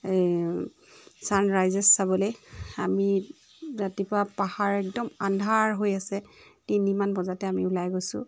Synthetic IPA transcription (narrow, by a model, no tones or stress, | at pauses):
sanɹajzɛsːabɔlojami | zatipapahaɹɛk̚dɔmandʱaɹɦojasɛtinimanbɔzatɛamiulajɡojsʊ̰